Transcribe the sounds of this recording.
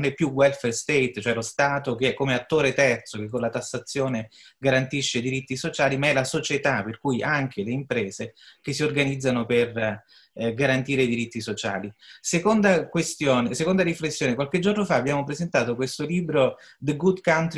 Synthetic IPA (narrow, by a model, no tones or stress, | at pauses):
nɛpːjuwɛlferst̪ejt̪t͡ʃoɛlost̪aːt̪ok̟eɛkːomeat̪ːoːɾet̪ɛrt̪sokek̬ːonlat̪asːat̪sːjoːneɡaɾant̪iʃːed̪iɾit̪ːisot͡ʃaːlimaɛlasot͡ʃet̪aperkujʔaŋk̟eleimpɾɛːzek̟esːiorɡanid̪zːanoper | ɡaɾant̪iːɾeid̪iɾit̪ːisot͡ʃa̰ːlisekond̪akwest̪joːnesekond̪aɾiflesːjoːnekwalked͡ʒːornofaːbːjaːmopɾezent̪aːt̪okwest̪oliːbɾo | d̪əɡud̪kawnt̪ɾ